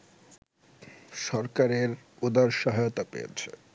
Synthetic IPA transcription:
ʃɔɾkaɾeɾod̪aɾʃaɦajot̪apḛjḛt͡ɕʰe

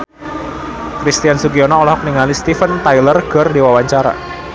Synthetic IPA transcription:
kɾist̪iansuɡiɔnaɔlɔɦɔk̚niŋalist̪ifənt̪ajlərkɨrdiwawaɲt͡ʃaɾa̰

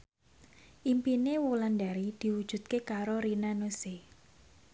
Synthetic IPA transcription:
ʔimpinewulandaɾid̪̥i̤wud̥ʒ̥ṳt̪̚kekaɾoɾinanuse

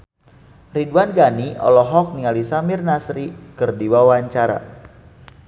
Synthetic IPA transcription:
riduanɡaniɔ̰lɔɦɔk̚niŋalisamɪrnasɾikɨrdiwawaɲt͡ʃaɾa̰

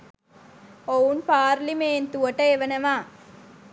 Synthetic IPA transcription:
ounpaːɾlimeːnt̪uɐʈːɐeʋɐnɐʋaː

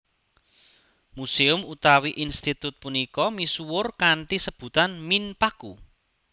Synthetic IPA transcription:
museʊmut̪awiʔinst̪it̪ʊt̪̚punikɔmisuwʊrkaɳʈisəb̥ṳt̪anminpaku

